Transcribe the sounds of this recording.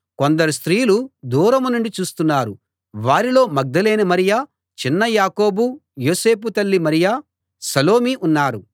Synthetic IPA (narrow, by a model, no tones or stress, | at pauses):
ko̞nd̪ɐɾust̪ɾiːlud̪uːɾɐmunuɳɖit͡ʃuːst̪unːaːɾu | ʋaːɾilo̞ːmɐɡ̚d̪ɐleːnɐmɐɾijaː | t͡ʃinːɐjaːko̞ːbujo̞ːse̞ːput̪ɐlːimɐɾijaː | sɐlo̞ːmiʔunːaːɾu